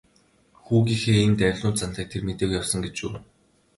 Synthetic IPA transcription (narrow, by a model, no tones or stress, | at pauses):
xuːɣʲiːxeːent̪æwʲɮʊːt͡sʰan̥t̪aːk̚t̪ʰermet̪eːkjawsə̆ŋɡet͡ɕṵː